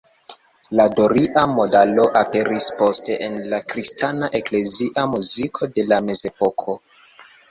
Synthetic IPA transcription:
ladoɾiʔamo̞dalo̞ʔape̞ɾispo̞ste̞ʔenlakɾistanaʔe̞kle̞ziʔamuzikʰo̞de̞lame̞ze̞po̞kʰo̞

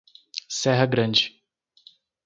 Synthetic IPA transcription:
sɛɦɐɡɾɐ̃d͡ʒɪ

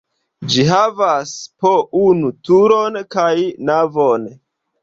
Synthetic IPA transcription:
d͡ʒiɦavaspounutuɾonkajnavon

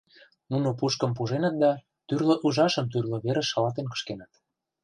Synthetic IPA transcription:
nunopuʃkɤ̆mp̬uʒenɤ̆t̪̚d̪ɑ | t̪yrlŏʔuʒɑʃɤ̆mt̪̬yrlŏβeɾə̆ʃːɑlɑt̪enkə̥̆ʃkenət̪

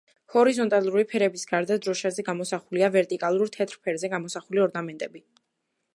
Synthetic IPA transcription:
hɔɾizɔnt̪ʼalˠuɾipʰɛɾɛbisɡaɾd̪ad̪ɾɔʃazɛɡamɔsaχuliavɛɾt̪ʼikʼalˠuɾt̪ʰɛt̪ʰɾpʰɛɾzɛɡamɔsaχuliɔɾnamɛnt̪ʼɛbi

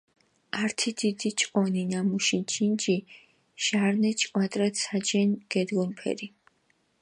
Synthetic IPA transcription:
aɾt̪ʰid̪id̪it͡ʃʼqʼɔninamuʃit͡ʃʰʼind͡ʒi | ʃaɾnɛt͡ʃʼkʼwat̪ʼɾat̪sad͡ʒɛnɡ̥ɛd̪ɡɔnpʰɛ̰ɾi

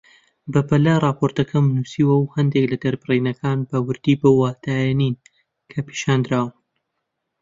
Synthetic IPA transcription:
bɐpɐlɐrˤɑːpʰoɾt̪ɐkʰɐmnusiːwɐwhɐnd̪eklɐd̪ɐɾbɨrinɐkʰaːnbɐwɨɾd̪iːbowːaːt̪ʰaːjɛnin | kʰɐpʰi̥ʃaːnd̪ɾaːwɨn

